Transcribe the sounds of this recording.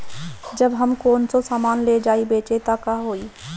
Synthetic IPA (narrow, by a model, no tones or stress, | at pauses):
d͡ʒəbɦəmkoːnsosaːmaːnled͡ʒaːibeːt͡ʃet̪akaːɦoːi